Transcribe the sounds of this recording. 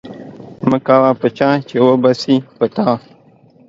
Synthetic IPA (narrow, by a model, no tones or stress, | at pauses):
məkawapət͡ʃãt͡ʃewobasipət̪a